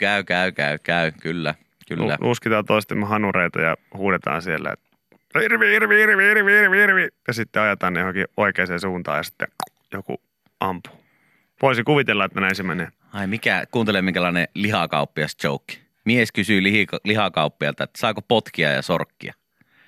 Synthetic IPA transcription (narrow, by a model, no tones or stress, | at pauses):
kæykæykæykæykylːæ | kylːæ̰nʔuskit̪ɑːnt̪oˑist̪imhɑnureit̪ɑ̰jɑ̰huːdet̪ɑ̰ːnsielːæ̰ḛt̪ | hirʋihirʋiirʋiirʋiirʋiirʋijɑsit̪ːeɑjet̪ɑːnejohoŋkiʔoikeːseːsuːnt̪ɑ̰ːjɑsi̥t̪ːḛ | jokṵ | ʔɑmpu̥ː | ʋoˑisikuʋit̪elːɑet̪ːænæˑinsimːenḛː | ɑimikækuːnt̪elemiŋkælɑˑeneliɦɑkɑupːiɑst͡ʃoˑukːi̥ | mieskysyliilihɑkɑupːiɑlt̪ɑet̪ːsɑˑːkopot̪kiɑ̰jɑ̰so̰rkːḭɑ̰